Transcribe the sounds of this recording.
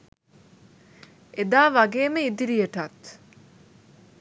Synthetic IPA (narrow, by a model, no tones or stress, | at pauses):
ed̪aːʋaɡeːməid̪iɾijəʈat̪